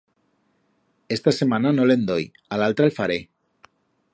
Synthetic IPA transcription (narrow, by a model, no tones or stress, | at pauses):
est̪asemananolend̪oj | alalt̪ɾalfaɾe